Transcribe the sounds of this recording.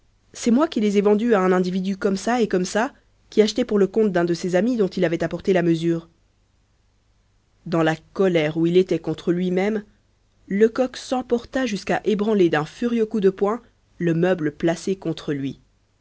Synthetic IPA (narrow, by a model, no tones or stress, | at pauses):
sɛmwakʲilezɛvɑ̃d̪yaɛ̃nɛ̃d̪ivid̪ykɔmsaekɔmsa | kʲiaʃt̪ɛpuʁləkɔ̃t̪̚d̪ɛ̃d̪əsezamid̪ɔ̃t̪ilavɛt̪apɔʁt̪elaməzyːʁ | d̪ɑ̃lakɔlɛʁuilet̪ɛkɔ̃t̪χəlɥimɛm | ləkɔksɑ̃pɔʁt̪aʒyskaʔebʁɑ̃led̪ɛ̃fyʁjøkud̪əpwɛ̃ | ləmœbləplasekɔ̃t̪χəlɥi